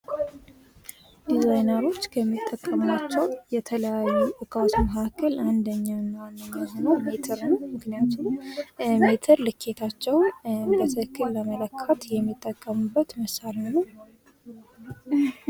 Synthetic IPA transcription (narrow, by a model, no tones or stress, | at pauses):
d̪̥izajnəɾo̞t͡ʃːkʰəmːit̪ʼːəkʼːəmnat͡ʃːɛwjɛt̪ʰələjajːuʔɨkʰʼasuməhakʰːəland̪əɲːanːawanːəɡaɦonəwmet̪ʰəɾnəwmɨknijat̪ʰummet̪ʰəɾlɨkʰːe̞t̪ʰat͡ʃːɛwbət̪ʰəkʰːɨlːəmələkʰːət̪jɛmːit̪ʼːəkʼːəmubːət̪məsaɾinːəw